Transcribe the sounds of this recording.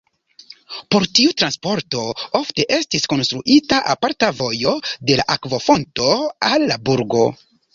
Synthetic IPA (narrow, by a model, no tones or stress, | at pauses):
po̞ɾtiutɾanspo̞ɾto̞ofte̞ʔe̞stisko̞nst̪ɾuʔitaʔapaɾtavo̞jode̞laʔakvo̞fo̞nto̞alːabuɾɡo̞